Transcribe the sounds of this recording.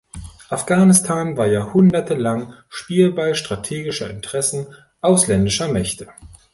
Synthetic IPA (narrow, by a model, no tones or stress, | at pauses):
ʔafɡ̥aːnɪstʰaːnvaːɐjaːhʊndɐtəlaŋ | ʃpiːlbalʃtʁ̥atʰeːɡɪʃɐʔɪntəʁ̥ɛsn̩ | ʔaʊslɛndɪʃɐmɛçtʰə